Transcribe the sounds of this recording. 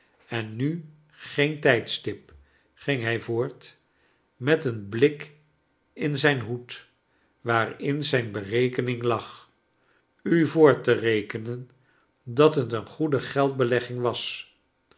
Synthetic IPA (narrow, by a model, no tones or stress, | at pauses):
ɛnːy | χejntɛjtstɪp | χɪŋɦɛjvʊːɹt | mɛtənblɪk | ɪnzɛjnɦut | ʋaːrɪnzɛjnbərejkənɪŋlɑχ | yvʊːɹtərejkənən | dɑtɦətənχudəχɛlˠd̚bəlɛχɪŋʋɑs